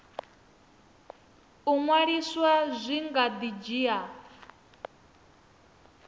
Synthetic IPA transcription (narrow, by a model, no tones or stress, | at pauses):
uŋwaɺiswazʷiŋɡad̪id͡ʒiːa